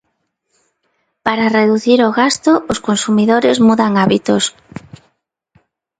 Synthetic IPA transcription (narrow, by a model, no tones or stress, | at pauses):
paɾareðuθiɾoɣast̪ooskonsumiðoɾezmuðaŋaβit̪os